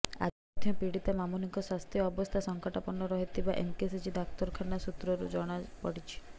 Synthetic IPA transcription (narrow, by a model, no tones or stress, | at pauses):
a̰ | ɔd̪ʰʱjɔpiɽit̪amamuniŋkɔswast̪ʰjɔːbɔst̪ʰasɔŋkaʈapɔnɔɾɔɦit̪ʰibaʔḛmkesid͡ʒid̪akt̪ɔɾkʰanasut̪ɾɔɾud͡ʒɔɽ̃apɔɽit͡ʃʰi̥